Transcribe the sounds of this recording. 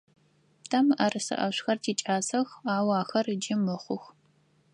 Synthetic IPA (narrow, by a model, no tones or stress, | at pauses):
tʰɐmʔɐrɨsɨ̰ʔɐɕʷxɐrtʰiːt͡ʃʼaːsɐxaːwaːxɐrd͡ʒɪmɨχʷʊx